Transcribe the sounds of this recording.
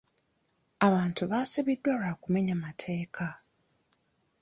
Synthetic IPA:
aβaːntuβaːsiβidːwalaːkume̞ɲamatʰe̞ːkʰa

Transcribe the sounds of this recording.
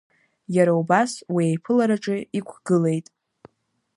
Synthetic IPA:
jaɾaubaswiejpʰɨlaɾaʈ͡ʂʼɪikʷʰɡ̥ɨle̞jtʼ

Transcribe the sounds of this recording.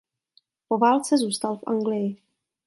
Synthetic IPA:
po̞vaːlt͡sɛzuːst̪alfʔa̰ŋɡlɪjɪ

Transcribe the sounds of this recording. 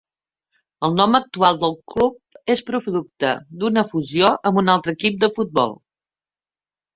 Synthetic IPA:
əlˠnɔmək̚t̪ualˠd̪əlˠklup̚espɾufðuk̚t̪ə̰d̪unəfuzijoʔəmbunalˠt̪ɾəːkip̚d̪əfut̪̚bɔ̰lˠ

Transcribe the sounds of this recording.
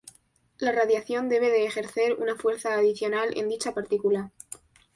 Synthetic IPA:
laraðjaθjo̞nd̪e̞β̞e̞ðe̞ːxe̞ɾθe̞ɾṵnafwe̞ɾθaːðiθjo̞nale̞̰nd̪it͡ʃapaɾt̪ikula

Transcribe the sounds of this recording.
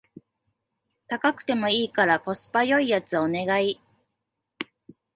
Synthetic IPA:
t̪akakɯ̟̥t̪e̞mo̞iːkaɾako̞sɨ̥pajo̞ijat͡sɨone̞ɡai

